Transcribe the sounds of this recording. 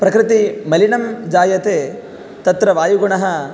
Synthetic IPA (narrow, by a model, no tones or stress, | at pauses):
pɾɐkɾɪt̪imɐlinɐmd͡ʒaːjɐt̪eː | t̪ɐt̪ɾɐʋaːjuɡuɳɐɦɐ